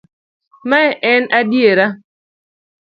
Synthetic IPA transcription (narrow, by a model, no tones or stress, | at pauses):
mɛʔɛnadjeɾa